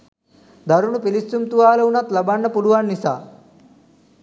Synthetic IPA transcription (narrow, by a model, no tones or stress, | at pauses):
d̪ɐɾunupilisːumt̪uʋaːlɐunɐt̪lɐbɐɳːɐpuɽuʋɐɳːisa̰ː